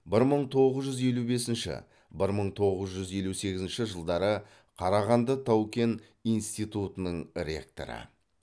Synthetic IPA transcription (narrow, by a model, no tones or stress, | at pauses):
bɪɾməɴt̪ʰo̞ʁəzʒʏze̞lube̞sɪnʃɪ̰ | bɪɾməɴt̪ʰo̞ʁəzʒʏze̞luse̞ɡʲɪzɪnʃɪʒəlˠd̪ɑɾə | qʰɑɾɑʁɑnd̪ət̪ʰɑwkʲe̞n | ijnst̪ijt̪ut̪ənəɴɾʲe̞̰kt̪o̞̰ɾə̰